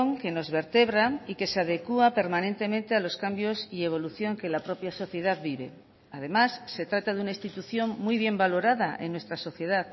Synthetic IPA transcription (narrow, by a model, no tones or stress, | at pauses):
ŋke̞no̞zβe̞ɾt̪e̞β̞ɾaike̞seað̞e̞kuape̞ɾmanẽ̞nt̪e̞mẽ̞nt̪e̞alo̞skambjo̞sie̞β̞o̞luθjo̞ŋke̞lapɾo̞pjaso̞θje̞ð̞aðbiβ̞e̞ | aðe̞masːe̞t̪ɾat̪aðunaist̪it̪uθjo̞ŋmujβ̞je̞mbalo̞ɾaðaʔenːwe̞st̪ɾaso̞θje̞ðað